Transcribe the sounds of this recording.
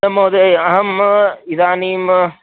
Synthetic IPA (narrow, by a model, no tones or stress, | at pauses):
ɐmoːðeɐɦɐmiðaːniːm